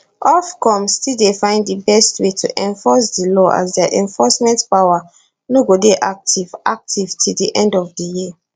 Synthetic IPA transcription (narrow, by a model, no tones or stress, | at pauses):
ʔɔfkʰɔ̃msstildefãɪ̃nddəbɛstwetʰṵʔɛ̃ɱfɔsdəlɔʔa̰zdɛʔɛ̃ɱfɔsmɛ̃ntpawa | noɡodeʔak̚tʰivʔak̚tʰiv̥tʰildiʔɛ̃ndɔvdəjiə